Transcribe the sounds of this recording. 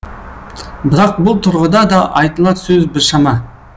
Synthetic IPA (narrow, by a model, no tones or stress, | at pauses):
bɪɾɑq̚bʊlˠt̪ʰʊɾʁəd̪ɑd̪ɑʔɑjt̪əlˠɑt̪sɵzbɪɾʃɑmɑ